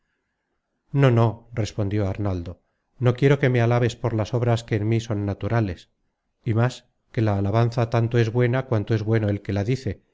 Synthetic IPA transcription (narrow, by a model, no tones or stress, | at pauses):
no̞no̞re̞spo̞nd̪jo̞aɾnald̪o̞ | no̞kje̞ɾoke̞me̞alaβe̞spoɾlaso̞β̞ɾaskeːnmiso̞nːat̪uɾale̞s | imas | ke̞laːlaβ̞anθat̪ant̪o̞e̞zβwe̞nakwant̪o̞e̞zβwe̞no̞elke̞laðiθe̞